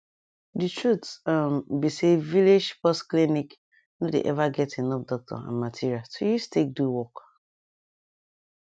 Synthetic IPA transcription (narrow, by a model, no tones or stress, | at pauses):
dɨtɹutambisevilid͡ʒpɔsklinik | nodḛʔɛvaɡɛtenɔp̚dɔk̚tʰɔ̰ã̰nmatʰiɹiatʰojustek̚duwɔk